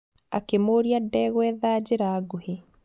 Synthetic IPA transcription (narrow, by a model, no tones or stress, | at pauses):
a̰kemoːɾiadɛɣwɛðaːd͡ʑeɾaːɡohe